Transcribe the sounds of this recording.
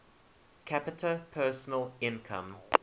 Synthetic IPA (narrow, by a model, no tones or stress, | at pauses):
kʰæpɪtʰəpʰɜːˑsənəlɪ̃nkʰã̰m